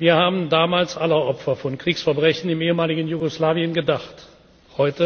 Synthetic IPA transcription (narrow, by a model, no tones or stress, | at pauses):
viːɐhaːbn̩daːmaːlsʔaləʔɔpfɐfɔnkʁ̥iːksfɛɐbʁɛçnɪmeːəmaːlɪɡn̩juɡoslaːviənɡədaχt | hɔʏtə